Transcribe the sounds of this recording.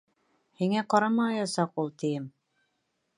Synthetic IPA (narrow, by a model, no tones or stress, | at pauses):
hiŋæqɑɾɑmɑɑjɑsɑqulˠt̪ĭjɘm